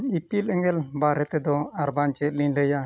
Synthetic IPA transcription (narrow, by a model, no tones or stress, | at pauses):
ipilɛŋɛlbaɾɛt̪ɛd̪ɔaɾbaɲt͡ʃɛt̪̚liɲləja